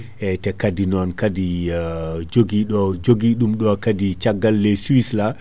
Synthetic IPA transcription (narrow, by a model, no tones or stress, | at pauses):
ʔɛtɛkadinɔnkadi | d͡ʒoɡiɗd͡ʒoɡiɗumɗɔkadit͡ʃaɡːalːɛsuwisla